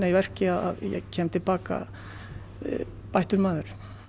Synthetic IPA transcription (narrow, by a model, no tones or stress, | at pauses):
naivɛr̥cɪaða̰ðjɛ̰ɣcʰɛːmt̪ʰɪlpaːka̰ | pajht̪ʏɾmaːðʏɾ̥